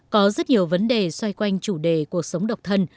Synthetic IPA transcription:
kɔ˨˦zə˦˥t̚ɲi˨˩əwvə˨˦nɗe˨˩swa˧jkwa˧jŋ̟t͡ɕu˧˩ɗe˧˩ku˨˩ək̚sə˨˦wŋ͡mɗə˨˩wk͡p̚t̪ʰə˧n

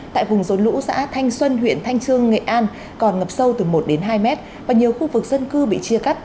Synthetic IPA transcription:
t̪a̰ː˧˨jvʊ˨˩ŋ͡mzo˨˦nlṵ˧˥sa̰ː˧˥t̪ʰa˧jŋ̟swə˧nɦwḭ˧˨ənt̪ʰa˧jŋt͡ɕɨ˧əŋːḛ˧˨ʔaː˧n | kɔ˨˩nŋə˨˩p̚sə˧wt̪ɨ˨˩mo˨˩t̚ɗe˨˦nɦaː˧jmɛ˦˥t̚ | vaː˨˩ɲi˨˩əwxu˧vɨ˨˩k̚zə˧nkɨ˧ɓḭ˧˨t͡ɕi˧əka˦˥k̚

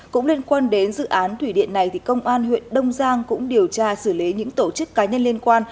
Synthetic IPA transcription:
kʊ̰˧˥ŋ͡mli˧ənkwaː˧nɗe˨˦nzɨ̰˧˨ʔaː˨˦nt̪ʰwi˧˩ɗḭ˧˨ənːa˨˩jt̪ʰi˨˩kə˧wŋ͡mʔaː˧nɦwḭ˧˨ənɗə˧wŋ͡mzaː˧ŋkʊ̰˧˥ŋ͡mɗi˨˩əwt͡ɕaː˧sɨ˧˩li˨˦ɲɨ̰˧˥ŋt̪o˧˩t͡ɕɨ˦˥kːaː˨˦ɲə˧nli˧ənkwaː˧n

